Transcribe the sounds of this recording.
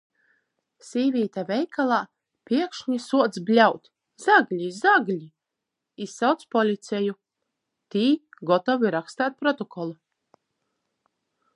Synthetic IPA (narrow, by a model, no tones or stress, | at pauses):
sʲiːvʲiːt̪avʲɛjkalˠaː | pʲiɛkʃɲisuɔt̪sblʲawt̪ʲ | zaɡlʲizaɡlʲi | isːawt̪spɔlʲit̪sɛju | t̪iːɡɔt̪ɔviɾakst̪aːt̪̚pɾɔt̪ɔkʰɔlˠu